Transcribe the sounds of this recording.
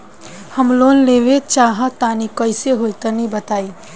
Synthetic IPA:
həmloːnleːʋet͡ʃaːɦat̪aːnikəɪseɦolt̪ənĩbət̪aːi

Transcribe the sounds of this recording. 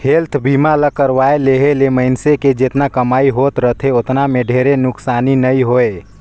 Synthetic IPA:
helt̪ʰbimaləkəɾʋaeleɦeleməɪnseked͡ʒet̪nakəmaiɦot̪ɾət̪ʰeot̪nameɖʱeɾenʊksaninəiɦoe

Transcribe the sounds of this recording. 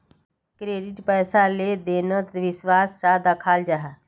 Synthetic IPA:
kɾeːɖɪʈpɛːsaleːd̪eːnət̪ʋɪswaːsːaːd̪akʰaːld͡ʒaɦa

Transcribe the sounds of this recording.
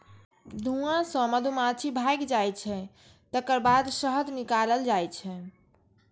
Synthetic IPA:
d̪ʱũãsə̃məd̪ʱumat͡ʃʰibʱajkd͡ʒajt͡ʃʰɛ | t̪əkəɾbad̪səɦəd̪nikaləld͡ʒajt͡ʃʰɛ

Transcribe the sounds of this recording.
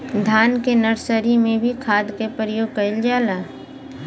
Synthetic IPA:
d̪ʱaːnkenəɾsəɾimẽbʱikʰaːd̪kepəɾjoːɡ̚kɐɪld͡ʒaːlaː

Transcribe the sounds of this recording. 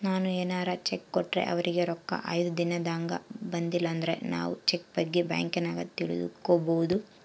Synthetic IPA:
naːnueːnaːɾat͡ʃekːɔʈːɾe̞̰ʔɐ̰ʋɐɾiɡe̞ɾɔkːɐ̰ʔɐjd̪ud̪inɐd̪aːŋɡɐ̰bɐnd̪ilːɐːnd̪ɐɾe̞̰na̰ːʋut͡ʃek̚bɐɡːebja̰ːŋkenaːɡɐt̪iɭṵd̪ṵkːoːbowd̪u

